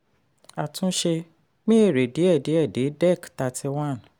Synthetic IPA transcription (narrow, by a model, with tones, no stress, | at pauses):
a˨tũ˦ʃe˧ | mĩ˦e˦˨ɾe˨de˨˦ɛ˦˨de˨˦ɛ˦˨de˨˦dɛ˦˨kta˧tʰi˧wã˦˨